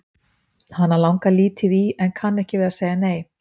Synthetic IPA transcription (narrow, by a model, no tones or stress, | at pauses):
hanːalawŋkaliːt̪ʰɪðiɛnkʰanːɛhcɪvɛːɾðaseːjaneːj